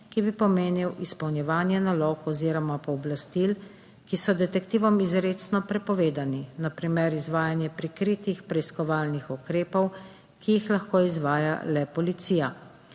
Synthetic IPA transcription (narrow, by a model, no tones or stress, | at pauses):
kibipɔmeːniwʔispɐwnjɛʋaːnjɛnaloːkɔziːɾɔmapɔːblast̪il | kisɔd̪ɛt̪ɛkt̪iːʋɔmizɾeːt̪snɔpɾɛpɔʋeːd̪aninapɾimɛɾizʋaːjanjɛpɾikɾiːt̪ixpɾɛiskɔʋaːlnixukɾeːpɔw | kijixlaxkoːizʋaːja̰lɛpɔlit̪siːja